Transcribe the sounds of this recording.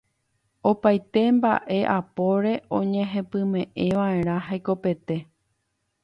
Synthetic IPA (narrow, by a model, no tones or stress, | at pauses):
o̞pajt̪e̞mba̰ʔe̞ʔapo̞ɾe̞ʔõ̞ɲẽ̞ɦẽ̞pɨ̃mẽ̞ʔe̞ʋaẽ̞ɾ̃ãɦajko̞pe̞t̪e̞